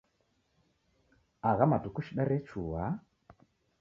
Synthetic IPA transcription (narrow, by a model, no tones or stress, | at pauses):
aɣamadukuʃiɗaɾɛt͡ʃʰuwa